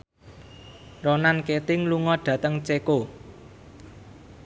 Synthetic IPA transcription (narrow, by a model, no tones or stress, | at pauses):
ronanket̪ɪŋluŋɔɖ̥ä̤t̪əŋt͡ʃeko